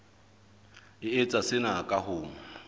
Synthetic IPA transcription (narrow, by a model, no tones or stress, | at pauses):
ɪet͡sʼasɪnakʼahʊːŋ̩